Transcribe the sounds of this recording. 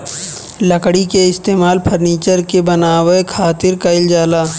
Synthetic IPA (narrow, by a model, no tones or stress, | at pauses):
lɐkɽikeɪst̪eːmaːlpʰəɾniːt͡ʃəɾkebɐnaːwekʰaːt̪ɪɾkaɪld͡ʒaːlaː